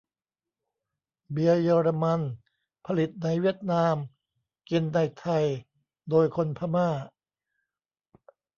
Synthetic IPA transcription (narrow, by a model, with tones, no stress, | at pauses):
bi˧ɐjɤː˧ɾa˧ma˧n | pʰa˧li˨˩t̪̚na˧jwi˥˩ɐət̪̚naː˧m | ki˧nːa˧jt̪ʰa˧j | doː˧jkʰo˧npʰa˧maː˥˩